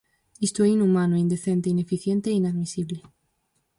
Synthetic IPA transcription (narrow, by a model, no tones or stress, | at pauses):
ist̪oɛinumãnoind̪eθẽnt̪einefiθjẽnt̪eːinaðmisiβle